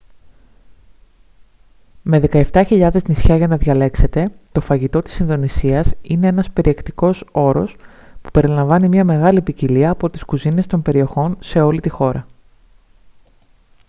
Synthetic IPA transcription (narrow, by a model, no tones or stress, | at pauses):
me̞ðe̞kɐe̞ft̪ɐçiʎɐðe̞znisçɐʝɐnɐðʝɐle̞kset̪e̞t̪o̞fɐʝit̪o̞t̪i̥sinðo̞nisiɐsine̞e̞nɐspe̞ɾʔie̞kt̪iko̞so̞ɾo̞s | pu̥pe̞ɾilɐɱvɐnimɲɐme̞ɣɐlipiciliɐːpo̞t̪i̥skuzine̞st̪o̞mbe̞ɾio̞xo̞nse̞o̞lit̪ixo̞ɾɐ